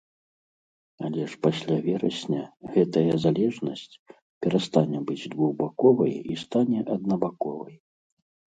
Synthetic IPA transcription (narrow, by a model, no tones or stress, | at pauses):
alʲɛʂpasʲlʲavʲɛɾɐsʲnʲɐɣɛt̪ɐjɐzalʲɛʐnɐsʲt͡sʲ | pʲɛɾast̪anʲɛbɨd͡zʲd̪vuɣbakɔvɐjist̪anʲɛʔɐd̪nɐbakɔvɐ̰j